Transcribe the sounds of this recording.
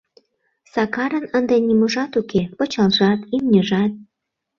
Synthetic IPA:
sɑkɑɾənənd̪enʲiməʒɑt̪ukepə̆t͡ɕɑlʒɑt̪imnʲəʒɑt̪̚

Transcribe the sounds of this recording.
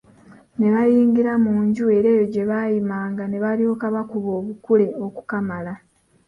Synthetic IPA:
ne̞βajiːŋɡiɾamuːɲɟue̞ɾe̞ːjo̞ɟe̞βajimaːŋɡane̞βalio̞ːkaβakuβo̞ːβukule̞o̞ku̥kamala

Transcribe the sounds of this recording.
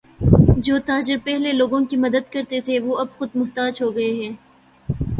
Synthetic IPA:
d͡ʒoːt̪aːd͡ʒɪɾpɛɦleloːɡõkimɐd̪əd̪̚kɐɾt̪et̪ʰeʋoːɐbxʊd̪mʊɦt̪aːd͡ʒɦoːɡɐeɦɛ̃ː

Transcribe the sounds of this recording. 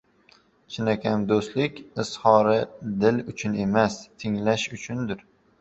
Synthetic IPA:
t͡ʃʰɪnakʲʰamd̪ost̪lɪkʲɪshɒɾɪd̪ɪlʊt͡ʃʰʊne̞mast̪ʰɪŋlaʃʊt͡ʃʰʊnd̪ɪɾ

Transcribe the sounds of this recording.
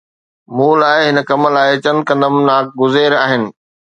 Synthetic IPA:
mũːlaːɪɦɪnəkɐməlaːɪt͡ɕɐ̃nkɐ̃nd̪əmnaːk̚ɡʊzeːɾaːɦɪnɪ̆

